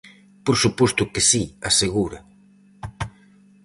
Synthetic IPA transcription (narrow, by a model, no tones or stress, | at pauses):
poɾsupɔst̪ʊkesiaseɣuɾɐ